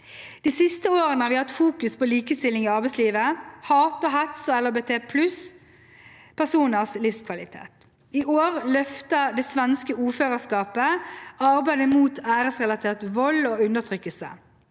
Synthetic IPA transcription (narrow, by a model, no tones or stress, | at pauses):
d̪̥iːsɪst̪əoːʁənəhɑːʋɪhɑt̪fuːkʉspʰoliːkəst̪ɪlːɪŋɪːɑʁbɛɪtsliːʋəhɑːt̪ɔɦɛt̪sɔɛlːəbeːt̪ʰeːpʰlʉs | pʰæʁsuːnəʁslɪfskʰʋɑlɪt̪ʰḛːt̪ | ɪʔoːʁlœft̪əd̪eːsʋɛnskəuːføːʁəskɑːpəɑʁbæɪd̪əmuːt̪ʰæːʁəsʁɛlɑt̪ʰeːʁt̪ʋɔloːʉnd̪əʁt̪ʰʁʏkːəlsə̰